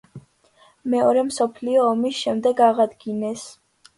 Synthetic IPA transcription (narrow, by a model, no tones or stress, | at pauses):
mɛɔɾɛmsɔpʰliɔːmisʃɛmd̪ɛɡaʁad̪ɡinɛs